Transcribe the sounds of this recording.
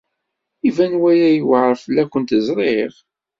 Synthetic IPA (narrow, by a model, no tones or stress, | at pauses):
ivænwæjæjəwʕɾˤfəlːækʷːənt̪zˤɾˤeʁ